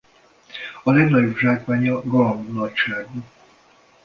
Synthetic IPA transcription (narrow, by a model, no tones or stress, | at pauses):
ɒlɛɡnɒɟobʒaːkʋaːɲɒɡɒlomnɒcʃaːɡu